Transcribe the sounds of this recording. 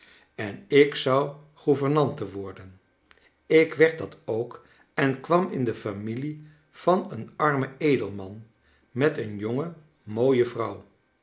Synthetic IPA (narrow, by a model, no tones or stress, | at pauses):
ɛnɪksɑw | χuvəɹnɑntəʋɔɹdən | ɪkʋɛɹt̚dɑtowk | ɛnkʋɑmɪndəfamili | v̥ɑnənɑɹməejdəlˠmɑn | mɛtənjoŋə | moːjəvrʌw